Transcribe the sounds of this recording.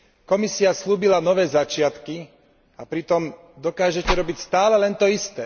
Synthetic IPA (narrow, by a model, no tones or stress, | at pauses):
kɔmisiasluːbilanɔʋɛːzat͡ʃɪat̪ki | apɾit̪ɔm | d̪ɔkaːʒɛcɛɾɔbicst̪aːlɛlɛnt̪ɔist̪ɛː